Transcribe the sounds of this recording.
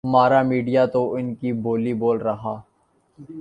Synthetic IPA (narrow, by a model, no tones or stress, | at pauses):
ɦɐmaːɾamiːɖijat̪oʔɪnkibʱoːliboːlɾɐɦaː